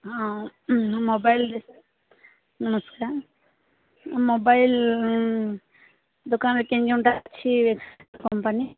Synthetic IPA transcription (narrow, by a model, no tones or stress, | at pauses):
a | mobajld̪es | nɐmɐskaɾ | mobajl | d̪ukaːnlɐkːeɲd͡ʒiuɳʈat͡ʃʰiʋekskompɐni